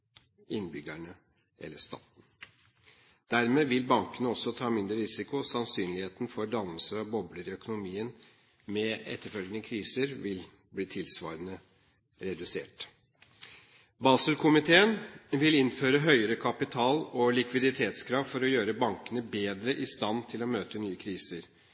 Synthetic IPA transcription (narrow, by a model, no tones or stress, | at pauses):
ɪnbʏɡæɳə | ʔɛ̰lːəʂt̪ɑ̰ːt̪n | d̪̥æɾmeːʋɪlbɑŋkənəɔsːɔt̪ʰɑːmɪnd̪ɾəɾɪsɪkʊɔsɑnsyːnlɪheːt̪nfɔɾɖ̪ɑnəsəɾɑbɔbləɾɪœkʊnʊmiːən | mɛɛ̰t̪ːəɾfœlɡənəkʰɾiːsəɾʋɪl | bliːt̪ʰɪlsʋɑ̰ːɾənə | ɾɛd̪ʉsḛːʈ | bɑːsəlkʰʊmɪt̪ʰeːənʋɪlɪnføːɾəɦœʏəɾəkʰɑpɪt̪ʰɑːlɔlɪkʋɪd̪ɪt̪ʰeːt̪skʰɾɑːʋfɔɾɔjøːɾəbɑŋkənəbeːd̪ɾəʔɪst̪ɑnt̪ʰɪlɔmøːt̪ənyːəkʰɾiːsəɾ